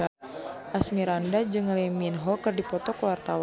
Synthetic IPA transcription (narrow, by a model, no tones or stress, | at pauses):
ʔasmiɾandad͡ʒɨŋlɛminɦɔkɨrdipɔt̪ɔkwart̪aw